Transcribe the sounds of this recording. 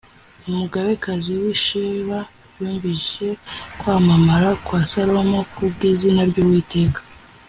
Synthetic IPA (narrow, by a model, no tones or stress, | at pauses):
umuɡaβe̞kaziwiʃeβa | juːɱvie̞kwaːmamaɾakwasaɾo̞mokubɡiːzinaɾɟowiːte̞ːkḁ